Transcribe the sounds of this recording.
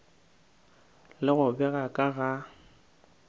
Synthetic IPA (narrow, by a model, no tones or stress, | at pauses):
lɪɣʊbɛɣakʼaɣa